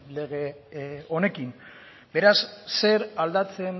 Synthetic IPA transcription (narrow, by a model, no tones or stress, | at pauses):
le̞ɣ̞e̞o̞ne̞kim | be̞ɾasːe̞ɾald̪at͡se̞n